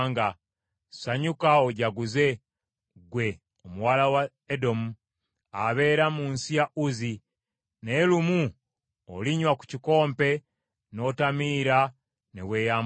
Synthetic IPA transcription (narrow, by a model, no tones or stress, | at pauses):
ŋɡa | saɲukaoɟaɡuze̞ | ɡwe̞ | omuwaːlawa | edo̞mu | aβe̞ːɾamuːnsijaʔuzi | nelumu | o̰liɲwaku̥ciko̞ːmpe̞ | no̞tamiːɾa | nḛweːjam